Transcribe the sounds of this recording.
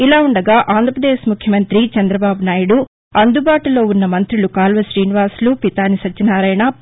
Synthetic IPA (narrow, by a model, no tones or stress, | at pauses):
ilaːuɳɖɐɡaːʔaːnd̪ʱɐpɾɐd̪eːʃmukʰjɐmɐnt̪ɾit͡ʃɐnd̪ɾɐbaːbunaːjuɽu | ɐnd̪ubaːʈulo̞ːunːɐmɐnt̪ɾilukaːlʋɐʃɾiːniʋaːslupit̪aːnisɐt͡ʃːinaːɾɐjɳɐ